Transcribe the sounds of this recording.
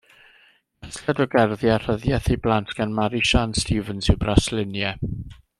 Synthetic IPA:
ɛθladɔɡɛrðjar̥əðjɛθijblˠantʰɡ̥anmaɾiʃanstʰiːvənsɪwbraslɪnjɛ

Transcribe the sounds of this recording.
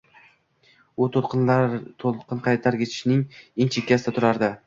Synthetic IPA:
ʊt̪ʰolq̪t̪ʰoqɨnqʰɑjt̪ʰaɾkʲʰe̞t̪ʰɪ̥ʃɪnɪŋeŋt͡ʃʰekʲːasɪd̪at̪ʰʊɾaɾd̪ɪ

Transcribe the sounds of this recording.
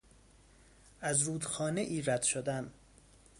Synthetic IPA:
æzɾuːd̪xɒːneʔiːræd̪̥ʃod̪æm

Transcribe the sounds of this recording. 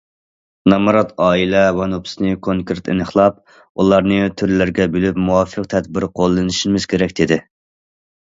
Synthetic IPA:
nɑmɨɾɑt̪ʰɑːilɛvɑnupʰɪ̥snɨkʰoŋkɨɾt̪ɪ̰nɨχlˠɑp̚ | ulˠɑɾnɨt̪ʰyɾlɪɾɡʲɛbylypmuwɑfəq̚t̪ʰɛd̪̚bɪɾqʰolˠːɨnɨʃimɪz̥kʲʰeɾɛkʲd̪̥ɪd̪ɪ

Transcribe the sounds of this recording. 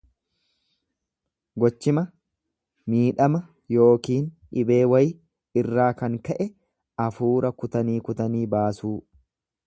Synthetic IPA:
ɡɔt͡ʃːɪmɐ | miːᶑɐmɐ | jo̞ːkiːn | ɪbe̞ːwɐj | ɪrːaːkɐŋkɐʔɛ | ɐfuːɾɐkʊt̪ɐniːkʊt̪ɐniːbaːsuː

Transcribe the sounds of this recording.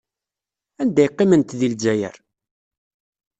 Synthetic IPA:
ænd̪æjqːimənt̪ðild͡ʒæjə̰ɾ

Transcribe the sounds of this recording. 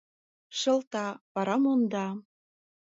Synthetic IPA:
ʃɤ̆lt̪ɑpɑɾɑmond̪ɑ

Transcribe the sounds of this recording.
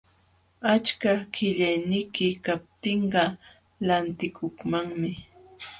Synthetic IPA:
at͡ʃkakɪʎajnɪjkɪkap̚t̪ɪɴɢɑ | lant̪ɪkʰʊkmaŋmɪ

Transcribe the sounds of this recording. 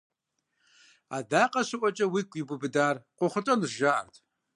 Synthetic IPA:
a̰daːqʼɐɕɨʔʷʼɔt͡ʃʼɐwiːkʷʼibʊbɨdaːrqʷʊχʷʊtʼɐnɨrʒaʔɐ̰rtʰ

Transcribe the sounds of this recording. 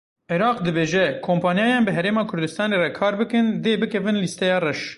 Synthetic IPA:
ʔiɾɑːqd̪ɨbeːʒɛkʰoːmpʰɑːnjɑːjɑːnbɨɦɛɾeːmɑːkʰʊɾd̪ɨst̪ɑːneːrɛkʰɑːɾbɨkɨnd̪eːbɨkʰɛvɨnlist̪ɛjɑːrɛʃ

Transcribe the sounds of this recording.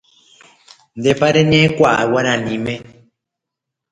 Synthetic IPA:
ndɛpaɾɛɲɛ̃kwa̰wanãnĩmɛ̃

